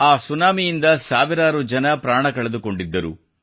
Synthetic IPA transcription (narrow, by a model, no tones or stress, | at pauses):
aːsunaːmijind̪ɐsaːʋiɾaːɾud͡ʒɐnɐpɾaːɳɐkɐɭed̪uko̞ɳɖid̪ːɐɾṵ